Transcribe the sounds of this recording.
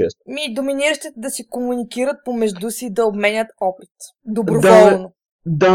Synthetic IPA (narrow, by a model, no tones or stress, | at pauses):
ɛsmid̪ominiɾəʃt̪ɛt̪d̪ɐsikomunikiɾət̪̚pomɛʒd̪usiːd̪ɐobmɛnʲət̪ɔpit̪ | d̪obɾod̪ɔlˠno | d̪a